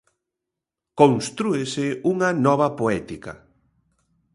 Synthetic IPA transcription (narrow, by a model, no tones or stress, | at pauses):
konst̪ɾuesɪuŋɐnɔβ̞ɐpoɛt̪ikɐ̰